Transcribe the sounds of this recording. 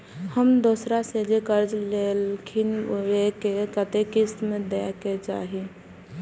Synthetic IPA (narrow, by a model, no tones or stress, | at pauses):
həmd̪osɾased͡ʒekəɾd͡ʒlelkʰinwekekət̪ekɪst̪mẽd̪eket͡ʃa̰ːɦi